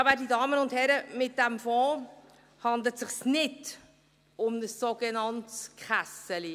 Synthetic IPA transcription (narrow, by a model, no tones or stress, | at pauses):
ɑbɛdidɑːmənʊnthɛɾəmɪt̚d̥æmfɔː | hɑndlətsɪχsnɪd | ʊmnəsːoɡənɑntskχasəli